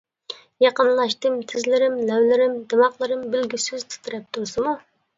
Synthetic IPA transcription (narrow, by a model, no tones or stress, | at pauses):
jɑqənlˠɑʃt̪ɨmt̪ʰɪzlɪɾɪmlɛwlɪɾɪmd̪ɨmɑqlˠɨɾɨmbɪlɡʲysyzt̪ʰɨ̥t̪ʰɾɛp̚t̪ʰuɾsɨmu